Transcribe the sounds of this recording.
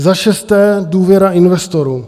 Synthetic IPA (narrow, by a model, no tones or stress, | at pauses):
zaʃɛst̪ɛːduːvjɛɾaɪnvɛst̪oɾuː